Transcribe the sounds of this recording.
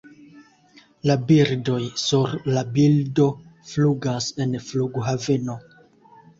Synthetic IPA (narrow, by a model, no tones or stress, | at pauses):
labiɾdo̞jsuɾlabildo̞fluɡase̞nfluɡɦave̞no̞